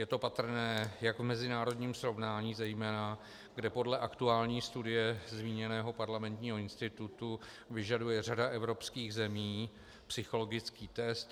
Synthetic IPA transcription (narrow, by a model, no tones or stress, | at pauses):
jɛt̪o̞pat̪r̩nɛːjaɡvmɛzɪnaːɾo̞dɲiːmsɾo̞vnaːɲiːzɛjmɛːna | ɡdɛpo̞dlɛʔakt̪uaːlɲiːst̪udɪjɛzmiːɲɛnɛːɦo̞paɾlamɛnt̪ɲiːɦo̞ɪnst̪ɪt̪ut̪u | vɪʒadujɛradaʔɛvɾo̞pskiːɣzɛmiː | psɪxolo̞ɡɪt͡skiːt̪ɛst̪